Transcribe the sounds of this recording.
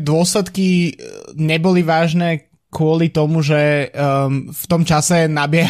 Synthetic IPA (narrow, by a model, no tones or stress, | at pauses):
d̪ʊɔslɛt̪ki | ɲɛbɔliʋaːʒnɛː | kʊɔlit̪ɔmuʒɛ | ft̪ɔmt͡ʃasɛnabɪɛɦ